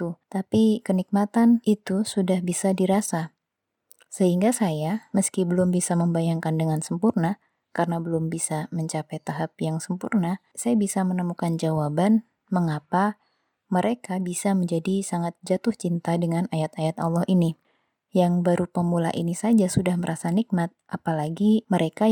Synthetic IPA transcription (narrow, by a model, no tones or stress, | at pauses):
t̪ut̪apikənik̚mat̪anit̪usudahbisadiɾasa | səhiŋɡasajaməskibəlʊmbisaməmbajaŋkandəŋansəmpurna | karənabəlʊmbisaməɲt͡ʃapajt̪aɦap̚jaŋsəmpurna | sajabisamənəmukand͡ʒawaban | məŋapa | məɾekabisaməɲd͡ʒadisaŋat̪̚d͡ʒat̪ʊht͡ʃint̪adəŋanajat̪ajat̪a̰lːɔhini | jaŋbaɾupəmula̰ʔinisad͡ʒasudahməɾʔasanik̚mat̪̚ʔapalaɡiməɾeka